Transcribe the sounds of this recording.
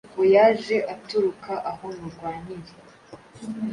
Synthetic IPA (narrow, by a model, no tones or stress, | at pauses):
kojaʒe̞ʔatuɾukʰaʔaho̞muɾɡwaːniɾe